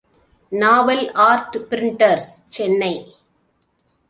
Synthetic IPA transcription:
naːʋɐlaːɾʈpɪɾɪɳʈɐɾst͡ʃɛnːɐɪ

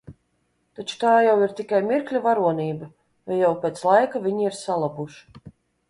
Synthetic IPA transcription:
t̪at͡ʃu̥t̪aːjawiɾt̪ikajmiɾklʲuvaɾuɔniːbɐ | jajawpʲeːt̪slˠajkavʲiɲiiɾsalˠabuʃ

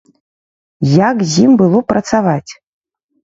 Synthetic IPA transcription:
jakzʲimbɨlˠɔpɾɐt̪savat͡sʲ

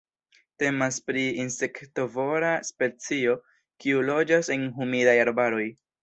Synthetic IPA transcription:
te̞maspɾiinse̞kto̞vo̞ɾaspe̞t͡sio̞ | kiulo̞d͡ʒase̞nɦumidajaɾbaɾo̞j

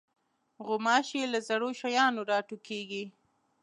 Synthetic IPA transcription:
ɣʊmɑʃelazaɽoʃajɑnoɾɑʈukeɡi

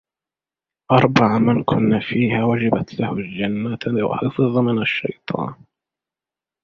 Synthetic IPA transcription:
ʔɑɾˤbaʕmankʰʊnːafiːhaːwad͡ʒabat̪lahʊld͡ʒanːat̪wa̰ħɑfɨðˤmɪnaʃːɑ̰jt̪ˤʰɑ̰ːn

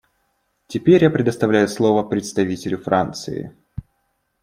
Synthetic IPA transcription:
tʲɪpʲeɾʲjapɾʲɪd̪əst̪ɐvlʲæjʊslˠovəpɾʲɪt̪st̪ɐvʲitʲɪlʲʊfɾant̪sɨ̰ɪ̰

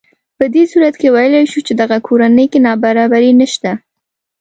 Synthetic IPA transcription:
pəd̪esuɾat̪kewajəlajʃut͡ʃed̪aɣakʰoɾanəjkenɑbaɾɑbaɾinəʃt̪a

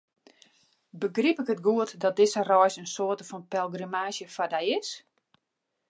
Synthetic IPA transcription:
bəɡripɪkətɡuətdɔt̚dɪsərɔjsənsoətəfɔnpɛlˠɡrimaːsjəfadajɪs

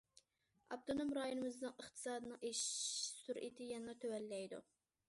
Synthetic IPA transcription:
ɑp̚t̪ʰonomɾɑːjonɨmɨznɨŋəχt̪ʰɨ̥sɑːd̪ɨnɨŋeʃsuɾʔit̪ʰɪjɛnɑt̪ʰøwɛlːɛjd̪ṵ

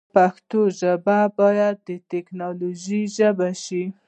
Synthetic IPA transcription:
paxt̪oʒababɑjad̪ːət̪eknɑloʒiʒəbaʃi

